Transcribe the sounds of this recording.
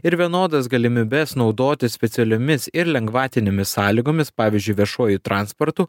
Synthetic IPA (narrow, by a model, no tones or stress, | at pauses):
ɪɾʋʲiɛnoːd̪ɐsɡɐlʲɪmʲiːbʲɛsnɒʊd̪oːt̪ʲɪsʲpʲɛt̪sʲɛlʲomʲɪsɪɾlʲɛŋɡʋɑːt̪ʲɪnʲemʲɪssɑːlʲiɡoːmʲɪspɑːʋʲiːzʲd͡ʒʲʊɪʋʲiɛʃuɔjut̪ɾɑːnspɔɾt̪uː